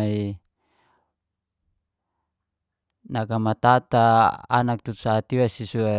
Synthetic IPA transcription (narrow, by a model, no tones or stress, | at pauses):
i | nakamat̪at̪a̰ːnak̚t̪uu̥saːt̪iwasisua